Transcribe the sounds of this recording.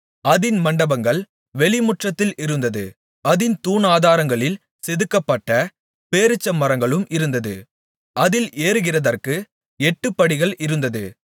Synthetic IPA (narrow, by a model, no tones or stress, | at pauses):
ɐðɪnmɐɳɖɐbɐŋɡɐɭ | ʋɛɭɪmʊʈrɐt̪ːɪlʔɪɾɯnd̪ɐðɯ | ɐðɪnt̪uːnaːðaːɾɐŋɡɐɭɪl | sɛðɯkːɐpːɐʈːɐ | peːɾɯt͡ʃːɐmːɐɾɐŋɡɐɭɯmʔɪɾɯnd̪ɐðɯ̰ | ʔɐðɪlʔeːɾɯɣɪrɐðɐrkɯ | ɛʈːɯpːɐɽɪɣɐɭʔɪɾɯnd̪ɐðɯ